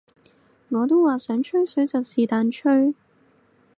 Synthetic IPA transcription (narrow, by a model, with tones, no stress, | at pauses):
ŋɔː˨˧t̪o˥wwaː˨˩sœː˨˥ŋt͡ʃʰɵ˥ɥsɵ˨˥ɥt͡sɐ˨wsiː˨˩t̪aː˨˧nt͡ʃʰɵ˥ɥ